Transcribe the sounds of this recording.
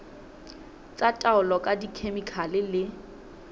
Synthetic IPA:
t͡sʼatʼaʊlɔkʼadikʰemikʰalɪlɪ

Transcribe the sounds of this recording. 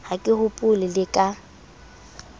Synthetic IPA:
hakʼɪhʊpʼʊlɪlɪkʼa

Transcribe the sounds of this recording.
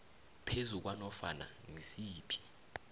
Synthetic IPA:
pʰezuk̬wanɔfana̰ŋesiːpʰi̥

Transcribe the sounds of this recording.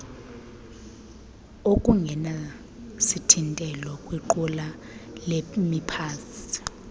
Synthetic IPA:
okʼuŋɡʱɛna | sitʰintʼɛlɔkʼwiǃula | lemipʰaːsi̥

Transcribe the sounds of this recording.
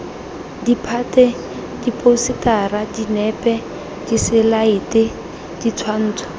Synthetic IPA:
dipʰatɛ | d̥ipʼositaradinɛpʼɛ | d̥isɪlaɪtɪ | d̥it͡sʰwan̩ːt͡sʰwḁ

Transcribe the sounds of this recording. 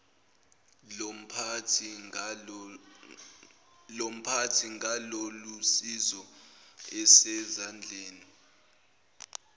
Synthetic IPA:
m̩pʰtʰi | lom̩pʰatʰiŋʱalolusizɔ | ɛsɛzand͡ɮʱeːni

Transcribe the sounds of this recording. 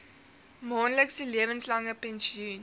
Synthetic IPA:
mɑːnləksəliəvənslɐŋəpɛ̃nsiun

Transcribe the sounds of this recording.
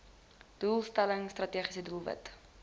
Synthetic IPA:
d̥uːlˠstæləŋstrɐtiːχisəduːlˠvə̰t

